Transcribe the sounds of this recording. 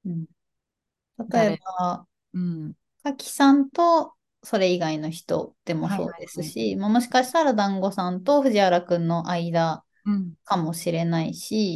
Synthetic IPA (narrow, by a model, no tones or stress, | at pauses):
ɯ̟̃ɴ | t̪at̪o̞e̞ba | ɯ̃ɴ | kakʲi̥sãnt̪o̞ | so̞ɾe̞iɡaino̞çi̥t̪o̞̰d̪̥e̞mo̞so̞̰ːd̪e̞sɨɕimamo̞ɕi̥kaɕi̥t̪aɾad̪ãŋɡo̞sãnt̪o̞ɸɯ̟ʑiaɾakɯ̟̃nːo̞ʔaid̪a | kamo̞ɕiɾe̞naiɕi